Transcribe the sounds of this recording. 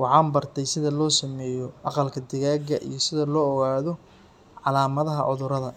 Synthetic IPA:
wɑħɑːnbɐrt̪ʰɛjsɪðɐlɔːsɐmɛːjɔʔɑqɑlkʰɐd̪ɪɣaːɡɐʔḭjɔsɪðɐlɔːɔɣaːðɔ | ʕɑlaːmɐðɐɦɐʕʊðʊɾɐðɐ

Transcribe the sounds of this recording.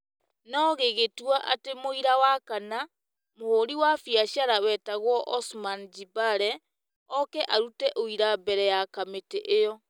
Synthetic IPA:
nɔɣeɣetuaʔatemoiɾawakana | mooɾiwafiaʃjaɾawɛtaɣwɔʔɔsmand͡ʒibaɾɛ | ɔkɛʔaɾutɛʔoiɾabɛɾɛjakameteʔejɔ

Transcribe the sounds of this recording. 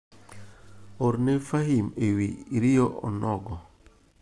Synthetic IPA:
oɾnefahimewiɾijoʔɔ̰nɔɡɔ

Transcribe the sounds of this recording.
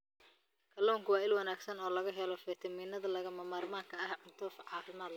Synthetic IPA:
kʰɐlɔːŋkʰʊwɑːɪlwɑnaːɡsɐnɔːlɐɣɐɦɛlɔfɛt̪ʰɐmiːnɐðɐlɐɣɐmɐmaːrmaːŋkʰɐɐhʕʊnt̪ʰuːfʕɑːfɪmaːd̪l

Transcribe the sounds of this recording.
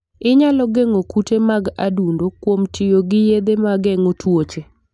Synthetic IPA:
ɪɲalɔɡeŋokutemaɡa̰dundokwomtʰɪjoɡɪjed̪emaɡɛŋotwot͡ʃe

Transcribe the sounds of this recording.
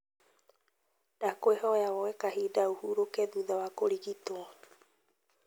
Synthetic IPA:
d̥akoeɦoeaβoekahidauhuɾokeðuðawakoɾiɡit̪o

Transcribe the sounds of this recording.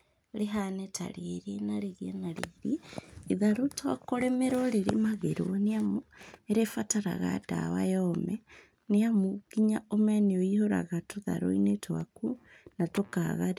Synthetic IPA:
ɾeɦanɛtʰa̰ɾieɾienaɾeɣienaɾḛɾiiðaɾotwakoɾɛmeɾoɾeɾḭmaɣeɾoneamoeɾefataɾa̰ɣa̰da̰wa̰jɔmɛ | neamokiɲaomɛnioihoɾa̰ɣatoða̰ɾo̰inetʰoa̰ku | natokaɣaɾ

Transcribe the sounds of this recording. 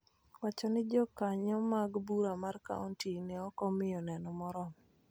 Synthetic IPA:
wat͡ʃɔnɪd͡ʒɔkaɲɔmaɡbuɾamarka̰ɔntinɛɔkɔmɪjɔnɛnɔmɔɾɔ

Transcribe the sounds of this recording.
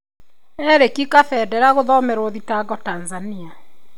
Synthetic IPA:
ɛɾekikafɛdɛɾaɣoðɔmeɾwoðitaɡɔtanzania

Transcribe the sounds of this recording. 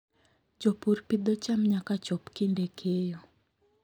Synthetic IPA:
t͡ʃopurpid̪ɔt͡ʃamɲakat͡ʃɔpkindekʰejo

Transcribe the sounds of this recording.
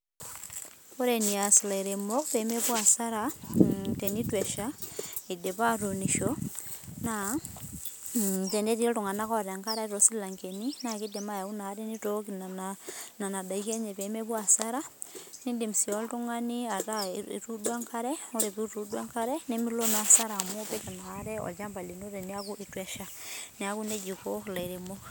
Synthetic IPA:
oɾeniaslaiɾemokpemeβwasaɾa | tenitwɛʃaideβaɾuniʃo | na | tendetioltuŋanakɔɾeŋkaɾaɾosilaŋkeninakidemajaunaɾenitokinaananadaikɛɲɛβɛmɛβwasaɾanindimusiɔltuŋaniata̰ɾudwaŋkaɾɛoɾeβiɾudwaŋkaɾɛnemilonasaɾamopɛt͡ʃanaːɾɛɔ̰t͡ʃambalinoɾeneakuʔitwɛʃa | neakuned͡ʒikolaiɾemo

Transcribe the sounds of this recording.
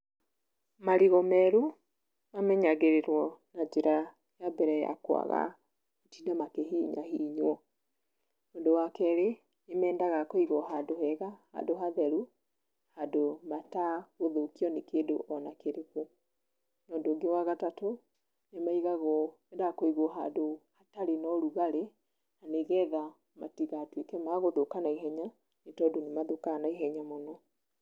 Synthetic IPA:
maɾiɣɔmɛɾu | mamɛɲaɣeɾeɾwɔnad͡ʒeɾa | jabɛɾɛja̰kwa̰ɣa̰ | otinamakeɦiːɲa̰hiɲwɔ | oːndowakɛɾe | nemɛːndaɣakoiɣɔɦadohɛɣaha̰ndoɦaðɛɾu | hadomataɣoðokiɔnekeːdoʔɔnakeɾeko | nɔːndoŋɡewaɣatato | nemaiɣaɣɔ | edakoiɣoɦa̰dohataɾenɔɾuɣaɾe | aneɣɛða | ma̰tiɣatwekɛmaɣoðokanaiɦɛɲa | netɔdonemaðokanaiɦɛɲamonɔ

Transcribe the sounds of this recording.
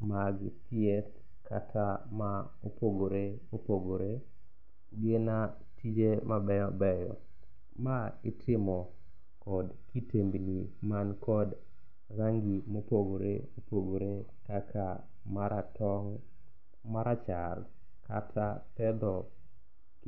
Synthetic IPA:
maɡtiɛt | kʰa̰tʰama | opoɡoɾe | opoɡoɾe | ɡena | tʰid͡ʒemabɛjɔbɛjɔ̰ | maɪtʰɪmɔ | kɔd | kitembinimankʰɔd | raŋɡimopoɡoɾḛopoɡoɾe | kakʰa | maɾatɔŋ | maɾat͡ʃar | ka̰tʰapɛd̪ɔ

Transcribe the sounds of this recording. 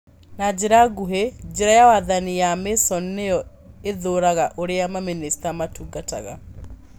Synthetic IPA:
nad͡ʒeɾaɡuɦed͡ʒeɾajawaðanijamesɔnejɔ | eðoːɾaɣaʔoɾeamaministamatuːɡata̰ɣa̰

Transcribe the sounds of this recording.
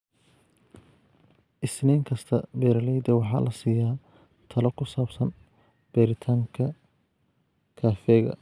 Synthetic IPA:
ʔɪsnɛːŋkʰɐst̪ʰɐbɛːɾlɛjd̪ɐwɑħɑ̰ːlʔɐsiːjaː | t̪ʰɐlɔkʰʊsaːbsɐn | b̥ɛːɾɪt̪ʰaːŋkʰɐ | kʰaːfɛːɣɐ̰

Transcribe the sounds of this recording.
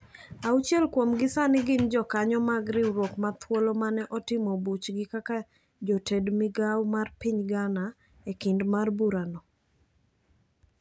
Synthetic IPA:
aut͡ʃjɛlkwomɡɪsanɪɡɪnd͡ʒɔkaɲɔmaɡɾɪwɾwokmat̪ʰwolɔmanɛʔɔtɪmɔbut͡ʃɡɪkaka | d͡ʒɔtɛdmɪɡawmarpiɲɡana | ekɪndmarbuɾanɔ

